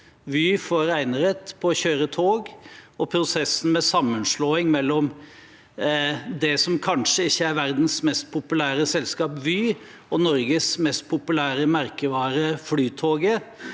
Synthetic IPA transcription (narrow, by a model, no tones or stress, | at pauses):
ʋyːfɔɾæɪnəɾət̪pʰɔːçøːɾət̪ʰoːɡɔpʰɾʊsɛsn̩mɛsɑmːənʂloːɪŋmɛlːɔm | d̪ɛsɔmkʰɑnʂəɪçːəæɾʋæɾd̪n̩smɛst̪̚pʰʊpʉlæːɾəsɛlskɑːpʋyː | ɔnɔɾɡəsmɛst̪̚pʰʊpʉlæːɾəmæɾkəʋɑːɾəflyːt̪ʰoːɡə